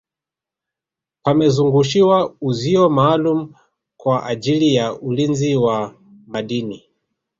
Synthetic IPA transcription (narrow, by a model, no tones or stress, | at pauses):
pamɛzuŋɡuʃiwauziɔmaːlumu | kwaʔad͡ʒilijaʔulinziwa | maɗini